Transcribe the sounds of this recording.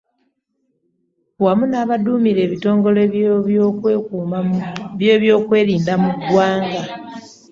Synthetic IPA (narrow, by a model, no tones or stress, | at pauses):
wamunaːβaduːmiɾe̞ːβito̞ːŋɡo̞le | u | βjeːβjo̞ːkwe̞ːɾiːndamuɡwaːŋɡa